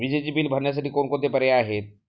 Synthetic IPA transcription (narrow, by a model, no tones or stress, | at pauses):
ʋid͡ʒed͡ʒibilbʱɐɾnjes̬əʈikoːnkõt̪̬epɐɾeaːɦe